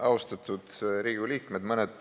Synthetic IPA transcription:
ʔɑust̪ɑt̪ˑud̪̥ɾiːɡiliːkmed̪mɤned̪̥

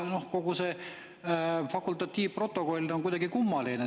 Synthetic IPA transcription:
no̞hko̞ɡ̥use | fɑkˑult̪ːˑɑt̪ʲːˑiːvpro̞t̪ːˑo̞ko̞lʲnoŋkujd̥̪ɑɡ̥ikumːɑline

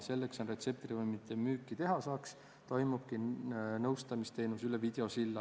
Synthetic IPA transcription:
se̞lːekso̞nre̞t̪se̞p̚t̪rivɯjmit̪ʰːˑemyːkːˑit̪e̞ɦɑsɑːks | t̪o̞jmub̥̚kinɤwst̪ɑmist̪e̞ːnusylevid̪̥e̞o̞silːɑ

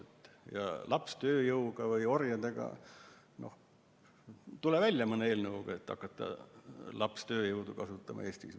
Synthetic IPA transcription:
et̪ːjɑ̰lʔɑpst̪øːjɤwɡ̥ɑvɯjo̞rjɑd̪e̞ɡ̥ɑ̰ | no̞̰h | t̪ulevælʲːjɑmɤnːeeːlnəuɡ̥ɑet̪ːɑ̰kːˑɑt̪ˑːɑ̰lɑpst̪ø̞ːjɤwd̪ukɑsut̪ːˑɑmɑ̰e̞ːst̪is

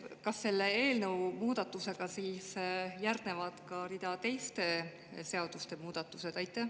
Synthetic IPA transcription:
kɑsːe̞lːe̞e̞ːlnəwmuːd̪ɑt̪ːˑuse̞ɡ̥ɑsiːsjærd̪̥ne̞vɑd̪̥kɑɾid̪̥ɑt̪e̞jst̪e̞ | se̞ɑd̪̥ust̪e̞muːd̪̥ɑt̪ːˑuse̞d̪̥ɑjt̪ːˑe

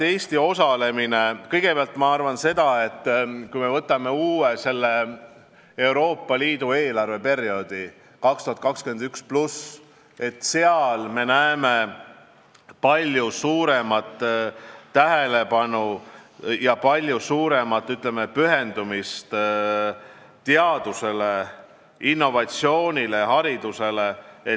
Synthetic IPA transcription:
e̞ːst̪io̞sɑle̞mine̞kɤjɡ̥e̞peɑlt̪ˑmɑɑrvɑnse̞d̪̥ɑe̞t̪ˑːkujme̞vɤt̪ːˑɑme̞uːwese̞lːe̞ | ewɾo̞ːpːɑliːd̪ue̞ːlɑrve̞pe̞rijo̞d̪̥i | kɑkst̪uhɑt̪̚kɑkskyend̪yksplus | e̞t̪ːˑse̞ɑlme̞næeme̞ | pɑlʲjusuːɾe̞mɑt̪ː | æɦe̞le̞pɑnu | jɑpɑlʲjusuːɾe̞mɑt̪ːˑyt̪ˑlemepyɦe̞nd̪umist̪ | t̪eɑd̪̥use̞le̞ | inːo̞vɑt̪sio̞ːnʲile̞ɦɑɾid̪̥use̞le̞e

